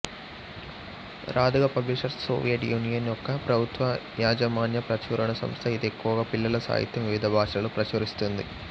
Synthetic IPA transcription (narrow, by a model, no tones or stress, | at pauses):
ɾʔaːd̪uɣɐpɐbliʂɐrso̰ːʋijɐʈjuːnijɐnokːɐpɾɐbʱut̪ʋɐjaːd͡ʑɐmaːnjɐpɾɐt͡ʃuːɾɐɳɐsɐ̰mst̪ʰɐid̪ekːoːɣɐpilːɐlɐsa̰ːjḭt̪jɐmʋiʋid̪ʱɐbʱaːʂɐɣɐɭuprɐʃuɾist̪und̪ɨ̰